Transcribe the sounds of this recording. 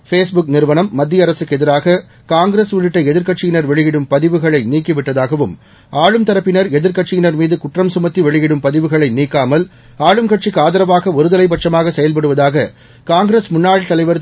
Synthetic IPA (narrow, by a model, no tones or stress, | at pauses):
feːsbʊk̚nɪɾɯʋɐnɐmːɐd̪ːjɐɾɐsɯkːɛðɪɾaːɣɐ | kaːŋɡɾeːsʋʊɻɪʈːɐɪɛðɪɾkɐʈt͡ʃɪjɪnɐɾʋɛɭɪjɪɽɯmpɐðɪʋɯɣɐɭɐɪniːkːɪʋɪʈːɐðaːɣɐʋɯm | aːɻɯmt̪ɐɾɐpːɪnɐɾɛðɪɾkɐʈ̚t͡ʃːɪjɪnɐɾmiːðɯkʊʈrɐmsʊmɐt̪ːiʋɛɭɪjɪɽɯmpɐðɪʋɯɣɐɭɐɪniːkːaːmɐl | aːɻɯmkɐʈ̚t͡ʃikːaːðɐɾɐʋaːɣɐɔɾɯðɐlɐɪp̬ɐʈ̚t͡ʃːɐmaːɣɐsɛjɐlpɐɽɯʋɐðaːɣɐ | kaːŋɡɾeːsmʊnːaːɻt̪ːɐlɐɪʋɐɾ